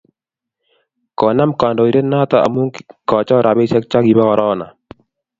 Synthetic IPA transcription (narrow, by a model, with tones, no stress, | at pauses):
kɔ˨na˦mka˨ndɔ˨i˨ɾe˦nːa˦t̪a˨a̰˨mu˦ŋkkɔ˨t͡ʃɔ˦ɾa˨bɪ˦sɛ˦k̚t͡ʃa˦ɡi˨ba˦kɔ˨ɾʔɔ˦na̰˨